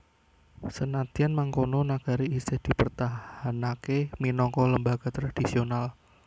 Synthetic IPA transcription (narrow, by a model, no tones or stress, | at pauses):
sənat̪ianmaŋkononaɡ̥aɾiisɪhd̪̥i̤pərt̪ahanakeminɔkɔləmbaɡ̥a̤t̪ɾad̥isional